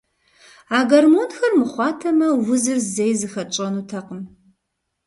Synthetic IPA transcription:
aːɡɐrmoːnxɐrmɨχʷɑːtʰɐmɐwʊzɨrzejzɨxɐt͡ʃʼɐnutʰɐqəm

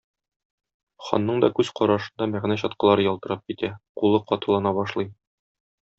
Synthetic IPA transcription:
χɒ̰nːɤɴd̪ɒkʉz̥qɒɾɑʃɤ̆nd̪ɑmæʁnæɕɒt̪̚qɤ̆lˠɑɾɤjɒlˠt̪ɤ̆ɾɤɑp̚kit̪æqulˠɤqɒt̪ɤ̆lˠɑnɑbɒʃlˠɤj

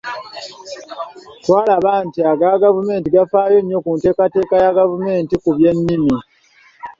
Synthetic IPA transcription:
twaːlaβantiaɡaɡavume̞ːntiɡafaːjo̞ɲːo̞kunte̞ːkate̞ːkajaɡavume̞ːntikuβje̞nːimi

